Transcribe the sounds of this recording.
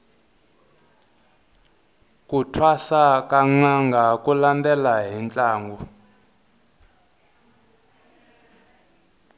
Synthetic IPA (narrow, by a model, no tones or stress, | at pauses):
kutʰwasakaŋ͡ǃaŋɡʱakulandɛlaɦint͡ɬʼaːŋɡɔ